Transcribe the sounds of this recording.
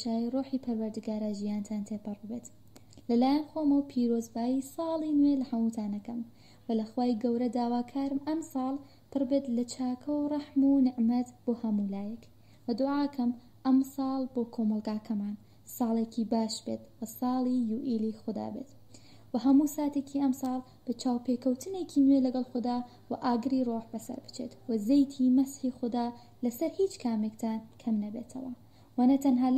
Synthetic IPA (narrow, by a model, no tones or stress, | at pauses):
ʃaːjiroːħiːpʰɐɾwɐɾd̪ɨɡaːɾaːʒijaːnt̪ʰaːnt̪ʰepɨrbɨbeːt̪ | lɐlaːjɐnxoːmɐwpʰiːɾoːzbaːjiːsˤɑːlˠinwelɐhɐmut̪ʰaːnɐkɐm | wɐlɐxwaːiɡɐwɾɐd̪aːwaːkʰaːɾɨmʔɐmsˤɑːlˠ | pʰɨɾbet̪lɐt͡ʃʰaːkʰɐwrˤɑħmunɪʕmɐt̪b̥oːhɐmuːlaːjɐk | wɐd̪ʊʕaːkʰɐm | ʔɐmsɑːlˠboːkʰoːmɐlˠɡaːkʰɐmaːn | sɑːlˠeːkʰibaːʃbeːt̪wɐsɑːlˠiːjuːʔiːlixʊd̪a̰ːbeːt̪ | wɐɦɐmuːsaːt̪ekʰiʔɐmsɑːlˠ | b̥ɐt͡ʃʰaːwpekɐwt̪ʰɨneːkʰiːnwelɐɡɐlˠxʊd̪aː | wɐʔaːɡɨɾiroːħbɐsɐ̰ɾbɨ̥t͡ʃʰeːt̪wɐzejt̪ʰiːmɐsħiːxʊd̪aː | lɐsɐɾhiːt͡ʃkʰaːmekt̪ʰaːnkʰɐmnɐbeːt̪ʰɐwɐ | wɐnɐt̪ʰɐnɦaː